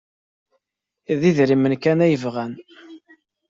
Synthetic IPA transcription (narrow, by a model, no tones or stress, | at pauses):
ðiðɾimənkænæjəvʁæn